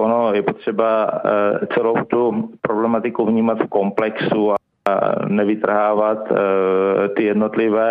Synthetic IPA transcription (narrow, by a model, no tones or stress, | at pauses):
ʔonojɛpot̪r̝̥ɛba | t͡sɛlowt̪upɾoblɛmat̪ɪkuvɲiːmat̪fko̞mplɛksua | nɛvɪt̪r̩ɦaːvat̪ | t̪ɪjɛdnot̪lɪvɛː